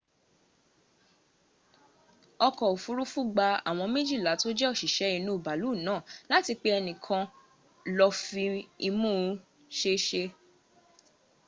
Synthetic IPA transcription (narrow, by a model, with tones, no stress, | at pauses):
ɔ˧kɔ˨o˨fu˨˦ɾu˦fu˦ɡ͡ba˧a̰˨w̃ɔ̃˧mẽ˦d͡ʒi˦˨la˨˦to˦d͡ʒɛ˦ɔ˦˨ʃi˨ʃɛ˨˦i˧nũ˦u˦˨ba˨lu˨˦˨nãː˨˦˨la˦ti˧k͡pe˦ɛ˧nĩ˨kʰã˧ | lɔ˧fĩ˧i˧mũ˦ | ʃe˦ʃe˧